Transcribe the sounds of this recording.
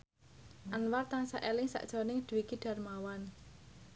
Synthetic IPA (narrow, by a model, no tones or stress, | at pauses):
ʔanwart̪ansa̰ʔelɪŋsa̰ʔd̥ʒ̥ɔ̤nɪŋd̪̥uwikiɖ̥a̤rmawan